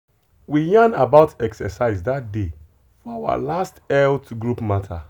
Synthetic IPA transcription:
wijãnabaʊtɛksɛsaɪzdat̚de | fɔawa̰lastɛltɡɹupmatʰa̰

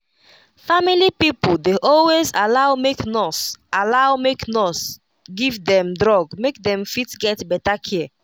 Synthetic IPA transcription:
familipipoldeʔɔlwezalaʊmeknɔsalawmeknɔs | ɡivdɛ̃mdɹɔɡmek̚dɛ̃mfitɡɛtbɛtakʰiə

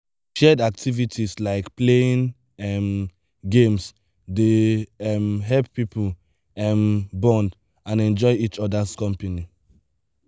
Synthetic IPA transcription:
ʃɛdak̚tʰivitʰislaɪkpleĩn | ɛm | ɡẽms | deɛmɦɛlpːipʰul | ɛmbɔ̃nd | ãnɛ̃nd͡ʒɔɪit͡ʃɔdaskɔ̃mpani

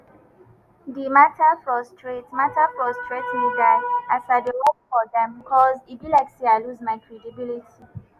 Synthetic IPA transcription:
dimatʰafɹɔstʰɹetmatafɹɔstɹetmedaɪasadəhopfɔdɛ̃mbkʰɔzibilaksiaɪluzmaɪkʰɹedibilitʰi

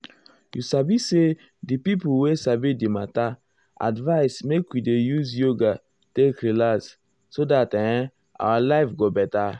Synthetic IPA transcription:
jusabise | dipipuwesabidimata | a̰dvaɪsmekwidejuzjoɡa | tekɾilas | sodatɛ̃ | a̰walaɪfɡobɛta

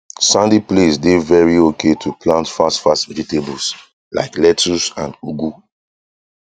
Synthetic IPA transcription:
sãndiplesdevɛɹiokʰetʰuplãntfastfastvɛd͡ʒitebus | la̰ɪklɛtusãnduɡu

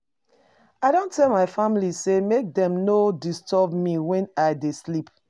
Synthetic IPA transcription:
aɪdõntɛlmaɪfamilisemek̚dɛ̃mnodistʰɔbmiwɛ̃naɪdeslip

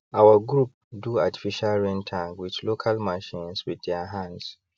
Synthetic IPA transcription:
ʔawəɡɹup̚ | duati̥fiʃalɹɛ̃ntʰãŋɡwit͡ʃlokʰalmaʃĩnswiddɛɦãnds

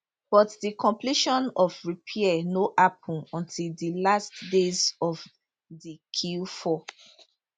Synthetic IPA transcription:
b̥ɔtdikʰɔ̃mpliʃɔ̃nɔvɹipʰiɛnoʔap̚ʰɔ̃nɔ̃ntʰildilastdezɔv | dikʰilfɔ

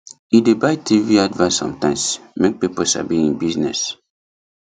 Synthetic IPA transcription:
idebajtʰiviadvãnsɔ̰̃mtãɪ̃msmek̚piposa̰biĩnbiznɛs

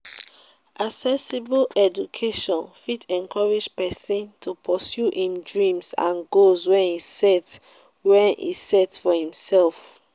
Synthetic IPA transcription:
ʔaksɛsiblɛd͡ʒukʰeʃɔ̃nfitʰɛ̃nkʰɔɹid͡ʒpɛsĩntʰupʰɔsjuʔĩmdɹĩmsã̰nɡozwɛ̃nisɛt | wɛ̃nḭsɛtfɔhĩmsɛlf

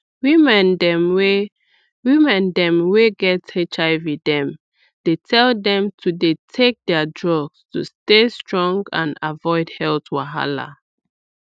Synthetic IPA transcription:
wimɛ̃ndɛmwe | wimɛ̃ndɛ̃mweɡɛtet͡ʃaɪvidɛ̃m | d̥etʰɛldɛ̃mtʰudetʰek̚dɛədɹɔɡstṵstestɹɔ̃ŋɡã̰navɔɪdhɛltwaɦa̰la̰

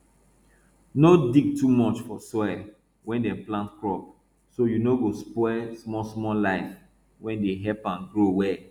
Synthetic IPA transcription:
nodiɡ̚tʰumɔt͡ʃfɔsɔɛ | wɛ̃ndɛ̃plãntkɹɔp̚ | sojunoɡospɔɔɛsmɔsmɔlaɪf | wɛ̃ndeɦɛpãnɡɾowɛ

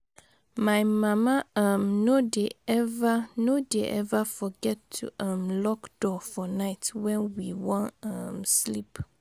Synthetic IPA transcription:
mãjmãmãamnodeɛvanodeʔɛvafɔɡɛtʰːṵʔamlɔkd̥ɔfɔnaɪtwɛ̃nwiwɔ̃nãmslip

